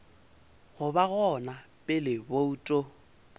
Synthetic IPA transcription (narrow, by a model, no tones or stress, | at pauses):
ɣʊbaɣɔnapʼɪlɪboutʼo